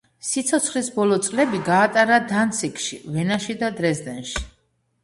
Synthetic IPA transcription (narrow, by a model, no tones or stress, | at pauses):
sit̪sʰɔt̪sʰχlisbɔlˠɔt̪sʼlɛbiɡaːt̪ʼaɾad̪ant̪sʰikʰʼʃivɛnaʃid̪ad̪ɾɛzd̪ɛnʃi̥